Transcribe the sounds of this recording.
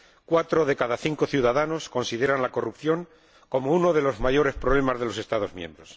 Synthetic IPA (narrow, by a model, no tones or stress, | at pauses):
kwat̪ɾo̞ðe̞kaðaθiŋko̞θjuðaðano̞sko̞nsiðe̞ɾanlako̞rupθjo̞ŋ | ko̞mouno̞ð̞e̞lo̞zmaʝo̞ɾe̞spɾoβle̞mazðe̞lo̞se̞st̪aðo̞zmjẽ̞̰mbɾo̞s